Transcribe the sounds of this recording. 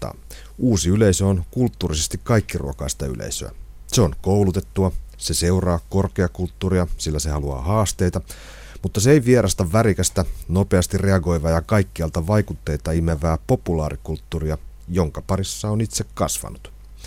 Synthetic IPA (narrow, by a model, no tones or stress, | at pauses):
ɑ̰ | uːsiyle̞isøonkult̪ːuːrisest̪ikkɑijkːirṵokɑist̪ɑy̰lʔḛisø̰æ̰ | seo̞nkowlut̪e̞t̪ːuɑse̞se̞urɑːko̞rkeɑkult̪ːuːriɑsilːæse̞hɑluɑ̰ːhɑːst̪e̞jt̪ɑ | mut̪ːɑseejʋieɾɑst̪ɑʋːæɾikæst̪æno̞peɑst̪irre̞ɑɡo̞jʋɑːjɑkɑikːiɑlt̪ɑʋɑjkut̪ːe̞jt̪ɑimeʋæːpo̞pulɑːɾikult̪ːuːriɑ | jo̞ŋkɑpɑɾisːɑonit̪se̞kkɑsʋɑ̰nut̪